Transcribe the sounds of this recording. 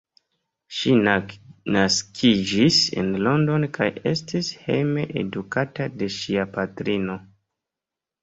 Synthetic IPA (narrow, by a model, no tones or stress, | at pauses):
ʃinnaskʰid͡ʒisḛnlo̞ndo̞nkʰaje̞stishe̞̰jme̞ʔḛdukatade̞ʃiapatɾino̞